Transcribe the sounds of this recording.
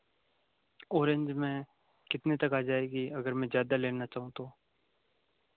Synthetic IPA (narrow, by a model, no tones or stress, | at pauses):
oːɾə̃ɲd͡ʒmɛ̃ | kɪt̪net̪ɐkaːd͡ʒaːeːɡiɐɡəɾmɛ̃zjaːd̪aleːnat͡ʃaːɦũt̪oː